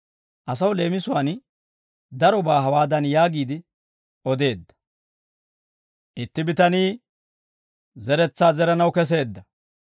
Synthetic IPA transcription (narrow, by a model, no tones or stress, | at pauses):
ʔɐs̬ɐwle̞ːmɪsʊwaːn | d̪ɐɾɔbaːɦɐwaːd̪ɐnjaːɡiːd̪ɪ | ʔɔd̪e̞ːd̪ːɐ̥ | ʔɪt̪ːɪbɪt̪ɐniː | zɛɾɛt͡sːaːzɛɾɐnɐwkɛs̬e̞ːd̪ːɐ